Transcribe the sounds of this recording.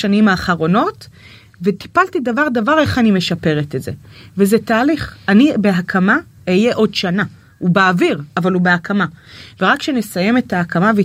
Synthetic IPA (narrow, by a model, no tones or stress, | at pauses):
animaːχaʁo̞no̞t | veti̥paltidavaʁdavaʁe̞χanime̞ʃape̞ʁetetze̞̰vezetaːliχanibe̞ɦakʰama | ejeʔo̞dʃana | ubeaviʁavalubeakʰamaveʁakʃene̞saje̞me̞thaːkamave